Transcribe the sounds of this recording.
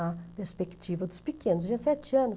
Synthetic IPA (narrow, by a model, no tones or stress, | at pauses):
ɐpeɾspekt͡ʃivɐd̪ʊspikẽnʊz̬d͡ʒiɐsɛt͡ʃɪɐ̃nʊ